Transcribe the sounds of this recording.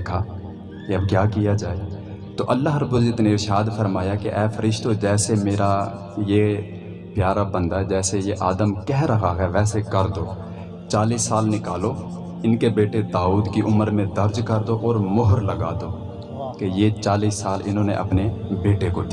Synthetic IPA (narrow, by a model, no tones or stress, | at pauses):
kʰa | keɐbkjaːkijad͡ʒaːe | t̪oʔɐlːaɦɾəbːəld͡ʒɪt̪neɾɪʃaːd̪fʰəɾmaːjakeʔɛːpʰəɾɪʃt̪od͡ʒɛːsemeːɾa | je | pjaːɾabə̃nd̪ad͡ʒɛːsejeʔaːd̪əmkɛɦɾɐɦaɦɛʋɛːsekəɾd̪oː | t͡ʃaːliːsːaːlnɪkaːlo | ɪnkebeːʈed̪aːuːd̪kiʔʊməɾmẽd̪ɐɾd͡ʒkəɾd̪oʔɔːɾmʊɦəɾləɡa̰ːd̪oː | kejet͡ʃaːliːsaːlɪnɦõːnḛʔɐ̰pnebeːʈekot̪ː